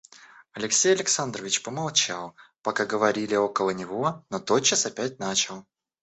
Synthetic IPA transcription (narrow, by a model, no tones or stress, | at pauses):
ɐlʲɪksʲejɐlʲɪksand̪rəvʲɪt͡ɕpəmalˠt͡ɕalˠpɐkaɡəvɐɾʲilʲɪo̞kəlˠənʲɪvo̞not̪o̞t̪̚t͡ɕːəsɐpʲæt̚ʲnat͡ɕɪlˠ